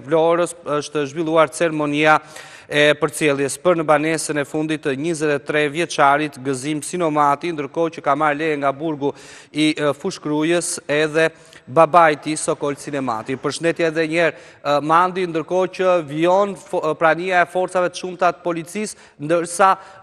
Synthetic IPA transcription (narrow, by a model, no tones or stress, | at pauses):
flɔɾəsəʃt̪əʒvilˠuaɾt͡sɛɾɛmɔnia | ɛpəɾt͡sjɛlˠjɛspəɾnəbanɛsənɛfund̪it̪ɲizɛt̪ɛt̪ːɾɛvjɛt͡ʃaɾit̪ɡəzimsinɔmat̪ind̪əɾkɔcəkamaɾlɛjɛŋɡabuɾɡu | ifuʃkɾujəsɛðɛ | babajt̪isɔkɔlsinɛma̰t̪ipəɾʃənd̪ɛt̪jɛɛðɛɲɛɾ | mand̪ind̪əɾkɔcəviɔnpɾaniaɛfɔɾtt͡savɛt̪ə̥ʃumt̪at̪ə̥pɔlit͡sis | nd̪əɾsa